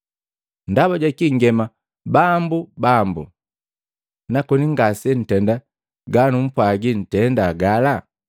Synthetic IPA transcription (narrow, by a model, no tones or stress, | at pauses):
n̩daβaɟakiŋɡɛma | bambubambṵ | nakɔniŋɡasɛn̩tɛnda | ɡanum̩pwaɡin̩tɛndaɡala